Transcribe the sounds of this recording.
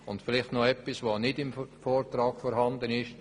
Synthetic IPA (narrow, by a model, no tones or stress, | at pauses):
ʊntfɪlɪχtnɔɛpːisʋoːnɪdɪmfoːɾtɾɑːɡfɔɾɦɑnd̪ənɪʃ